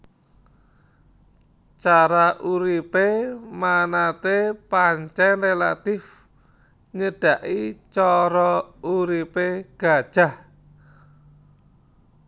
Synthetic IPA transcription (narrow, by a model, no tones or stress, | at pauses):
t͡ʃaɾaʔuɾipemanat̪epaɲt͡ʃɛnrela̰t̪ɪf | ɲəɖ̥a̤ʔit͡ʃɔɾɔuɾipeɡ̥a̤̥ʒ̥a̤h